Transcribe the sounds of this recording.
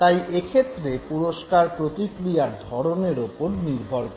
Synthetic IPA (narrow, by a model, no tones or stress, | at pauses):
t̪ajʔekʰet̪ːɾepuɾoʃkaɾpɾot̪ikɾijaɾd̪ʱɔɾoneɾupoɾniɾbʱoɾ